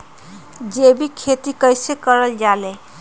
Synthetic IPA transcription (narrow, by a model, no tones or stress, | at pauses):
d͡ʒebikʰet̪ikəjsekəɾəld͡ʒale